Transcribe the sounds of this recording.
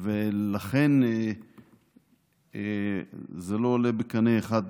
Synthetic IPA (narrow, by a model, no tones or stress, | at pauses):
velaχen | zeloːlebekanejeχad̪̚